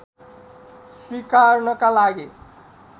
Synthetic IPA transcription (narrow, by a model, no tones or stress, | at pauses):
swikarnʌkalaɡi